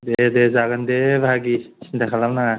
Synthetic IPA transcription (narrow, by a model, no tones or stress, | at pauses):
d̪ed̪ezaɡənd̪ebʱaɡi | d̪ɛkʰalamna